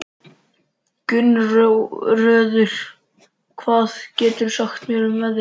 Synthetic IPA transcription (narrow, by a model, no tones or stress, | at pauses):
cʏnrrœːðʏɾ̥ | kʰvaːðcɛːt̪ʏɾ̥saxt̪mjœːɾʏmvɛðɪ